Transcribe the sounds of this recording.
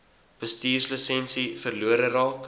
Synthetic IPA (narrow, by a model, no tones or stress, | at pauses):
b̥əstiːrsləsɛnsifərluəɾəɾɑːk